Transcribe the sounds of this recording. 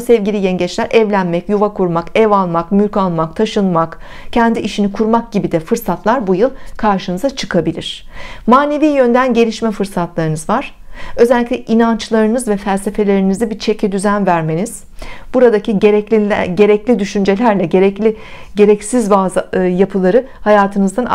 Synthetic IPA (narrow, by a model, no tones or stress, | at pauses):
sɛvɟilʲijɛnɟɛt͡ʃlʲæɾʔɛvlʲænmɛcjuvakʰuɾmakɛvalˠmakmylʲkalˠmak̚t̪ʰaʃɯnmak | cʰɛnd̪iʔiʃinikʰuɾmak̚ɟ̥ibid̪ɛfɯɾsat̪lˠaɾbujɯlˠkʰaɾʃɯnɯzat͡ʃʰɯkʰabilʲḭɾ̝̥ | maːne̞viːjønd̪ænɟe̞lʲiʃmɛfɯɾsat̪lˠaɾɯnɯzvaɾ̥ | ø̞zɛlʲːicʲlʲɛʔinant͡ʃlˠaɾɯnɯzvɛfælʲse̞fe̞lʲe̞ɾinizd̪ɛbit͡ʃʰecʰid̪yzænvæɾme̞niz̥ | b̥uɾad̪acʰi | ɟeɾɛclʲid̪yʃynd͡ʒe̞lʲæɾlʲɛɟeɾɛlʲiɟe̞ɾɛcsizbazjapʰɯlˠaɾɯ | hajaːt̪ʰɯnɯzd̪an